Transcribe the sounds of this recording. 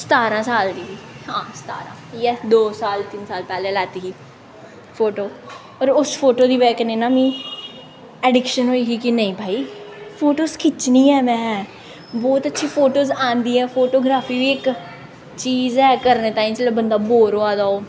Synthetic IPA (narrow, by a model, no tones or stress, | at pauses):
sə̥t̪aːɾãːsaːld̪iːiːɦãːsə̥t̪aːɾã̰ːjɛd̪oːsaːlt̪ɪnsaːlpɛːleːlaːt̪iːɡiː | pʰoːʈoː | ɔːɾʊsfʰoːʈoːd̪iːʋɛːkənẽːnãːmĩː | ɛːɖɪkʃənɦoːiːɡiːkɪnəĩːbʱaːiːpʰoːʈoːskʰɪt͡ʃniːɛːmɛ̃ː | bɔːt̪ətːʃʰiːpʰoːʈoːzãːnd̪iːɦɛːpʰoːʈoːɡɾaːpʰiːʋiːɪk | t͡ʃiːzɛːkəɾneːt̪ãːĩːt͡ʃəleːbənd̪aːboːɾoːaːd̪aːoː